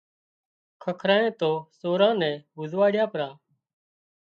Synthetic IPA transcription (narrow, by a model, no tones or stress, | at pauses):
kʰəkʰɾaːẽːt̪oːsoːɾãːnɛ̃ːbʊzʋaːɽɪjãːpəɾãː